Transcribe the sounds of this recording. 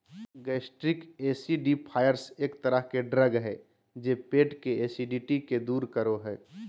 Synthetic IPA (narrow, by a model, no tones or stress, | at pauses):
ɡɛːsʈɾɪkeːsiɖipʰaːjəɾseːkt̪əɾəɦkeɖɾəɡɦɛ | d͡ʒeːpeːʈkeeːsiɖiʈiked̪uːɾkəɾoɦɛː